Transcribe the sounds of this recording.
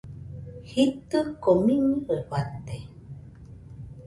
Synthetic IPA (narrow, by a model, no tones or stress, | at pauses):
hit̪əkomĩɲiewat̪e